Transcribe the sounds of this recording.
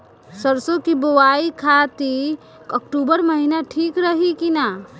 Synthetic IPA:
səɾsokibowaikʰat̪i | kəkʈubəɾməɦinaʈʰiːkɾəɦikina

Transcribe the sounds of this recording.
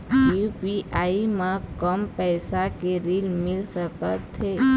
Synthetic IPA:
jupiʔaimãkəmpɛsakeɾilmɪlʃəkət̪ʰːe

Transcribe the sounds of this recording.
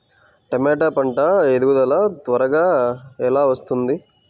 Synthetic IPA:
ʈɐmeːʈaːpɐɳʈaed̪uɡud̪ɐlaːt̪ʋɐɾɐɡaːɛlaːʋɐst̪und̪i

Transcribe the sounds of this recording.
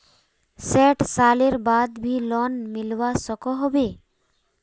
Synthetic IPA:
sɛʈsaleɾbad̪bʱilɔnmilwasɔkɔɦɔbe

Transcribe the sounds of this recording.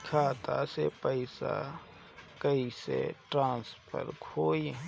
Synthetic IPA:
kʰaːt̪a̰sepəɪsa̰ | kəisḛʈɾãːnspʰə̰ɾkʰoːi

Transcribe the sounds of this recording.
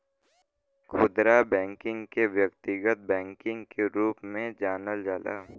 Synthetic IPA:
kʰʊd̪ɾabɛ̃ːŋkɪ̃ŋɡkeʋjəkt̪ɪɡət̪̚bɛ̃ːŋkɪ̃ŋɡkeɾuːpmẽd͡ʒaːnəld͡ʒaːla̰ː

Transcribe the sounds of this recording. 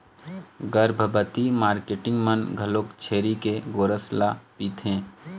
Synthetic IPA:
ɡəɾbʱəbət̪imaːɾkeːʈɪ̃ŋɡmənɡʱɐloːkt͡ʃʰeːɾikeɡoːɾəslapiːt̪ʰɦẽː

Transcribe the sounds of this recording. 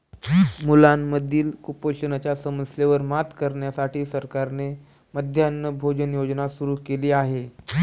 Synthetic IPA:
mulanməd̪ʱiːlkupoɕənat͡ɕjasəməsleʋəɾmat̪kəɾɳjasaʈiːsəɾkaɾne | məd̪ʱjanːəbʱod͡ʑənjod͡ʑnasuɾuːkeliːaɦe

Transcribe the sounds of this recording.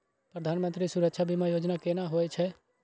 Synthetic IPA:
pɾəd̪ʱaːnmə̃nt̪ɾisuɾəkʃʰabʱimãjoːd͡ʒnakenaɦoɛt͡ʃʰɛ

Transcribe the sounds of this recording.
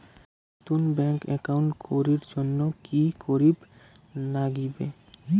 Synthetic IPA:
t̪unbɛŋkɛ̰kawɳʈkʰoɾiɾd͡ʑonːokikʰoɾib | naɡibḛ

